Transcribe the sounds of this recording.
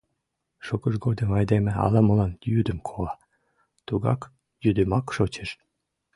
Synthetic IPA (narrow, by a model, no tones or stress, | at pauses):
ʃokəʃɡod̪əmɑjd̪emĕɑ̰lɑməlɑnjyd̪ə̆mkʰoɑ | t̪uɣɑ̰k | jyd̪emɑkʃot͡ɕeʃ